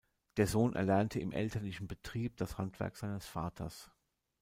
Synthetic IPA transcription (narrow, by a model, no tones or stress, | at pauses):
d̥eːɐzoːnʔɛ̰ɐlɛɐntʰəɪmʔɛ̰ltʰɐlɪçn̩bətʁ̥iːp̚d̥ashantv̥ɛ̰ɐkz̥aɪnəsfaːtʰɐ̰s